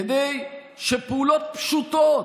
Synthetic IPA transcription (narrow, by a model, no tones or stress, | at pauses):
d̪ej | ʃepeulot̪̚pʃut̪o